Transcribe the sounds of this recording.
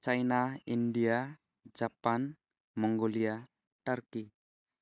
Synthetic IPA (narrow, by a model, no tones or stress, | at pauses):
t͡ʃajnaindia | d͡ʒapan | mɔŋɡolia | t̪ərki